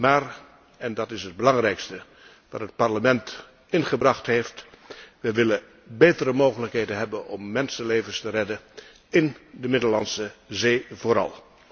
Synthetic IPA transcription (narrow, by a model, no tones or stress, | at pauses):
maːɹ | ɛndɑtɪsɦəd̚bəlɑŋrɛjkstə | ʋɑ̰tɦət̚pɑɹləmɛnt | ɪnχəbrɑχtɦeftʋəʋɪlə | bejtəɾəmoːχələkɦeːdənɦɛbənɔmːɛnsənleːvənstərɛdə | ɪndəmɪdəlɑnsəzeːvoːɾɑ̰lˠ